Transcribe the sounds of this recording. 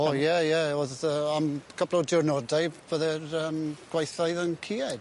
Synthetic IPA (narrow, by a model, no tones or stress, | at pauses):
ojɛjɛoðəamkʰəblɔdɪʊrnɔdajb̥əðɛrəːmɡ̥wajθajðənkʰiːɛd̥